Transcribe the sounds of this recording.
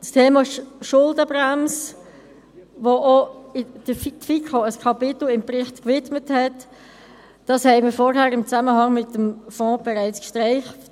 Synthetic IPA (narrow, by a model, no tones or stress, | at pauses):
stʰeːmɑʃʊldəbʁɛms | ʋoʔoɪd̥əftfikʰoəskʰɑpɪt̪l̩ɪmprɪχtkvɪtməthɛt | d̥ɑshɛɪmiːfɔɾhæːɾɪmt͡saməhɑŋmɪtəmfɔ̃ːb̥ɛɾaɪt͡skʃtʁaɪχt